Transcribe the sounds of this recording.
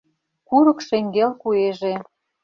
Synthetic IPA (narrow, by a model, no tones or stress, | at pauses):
kuɾɤ̆kʃeŋɡelkueʒe